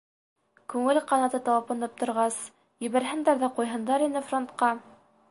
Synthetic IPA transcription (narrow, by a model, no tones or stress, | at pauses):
kʉŋɘlqɑnɑt̪ɤt̪ɑwɑpɤ̆nɤp̚t̪ŏɾʁɑs | jɘ̆βæɾɦɘ̆nd̪æɾðæqujɦɤ̆nd̪ɑɾinɘfront̪qɑ